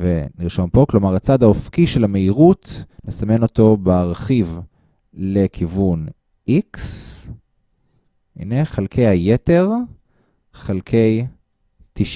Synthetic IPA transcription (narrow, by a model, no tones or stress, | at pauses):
veniʁʃo̞mpo̞klo̞maʁat͡sad̪aofkiʃelame̞iʁutnesame̞no̞to̞beaʁχiv | le̞kʰivun | ʔiks | ʔḭneχalkʰe̞jhajete̞ʁ | χalkʰe̞j | tiʃ